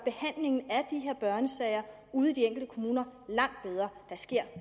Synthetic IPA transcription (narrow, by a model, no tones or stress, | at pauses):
b̥e̝hæn̰le̝ŋn̩æɐd̥iɦe̝ɐ̰b̥ɶɐnəsɛɪɐ | uːð̞̩ˠd̥ieŋ̰ɡ̥l̩d̥əkʰo̝muːnɐlɑ̈ŋ̰d̥̚b̥eð̞ˠʁɐːd̥ɑ̈sɡ̥e̝ɐ̰